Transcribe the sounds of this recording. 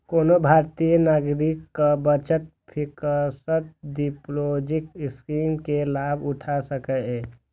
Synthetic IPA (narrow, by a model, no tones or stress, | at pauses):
koːnobʱaɾt̪ijənaɡɾɪkːabət͡ʃət̪̚ | pʰikəsət̪̚diplod͡ʒɪk̚skimkelaːbʊʈʰasəkɛɛ